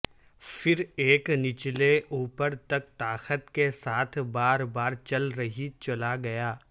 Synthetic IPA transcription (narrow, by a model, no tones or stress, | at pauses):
fɪɾeːknɪt͡ʃleʔuːpəɾt̪ɐk̚t̪aːxət̪kesaːt̪ʰbaːɾbaːɾt͡ʃɐlɾɐɦit͡ʃɐlaɡɐjaː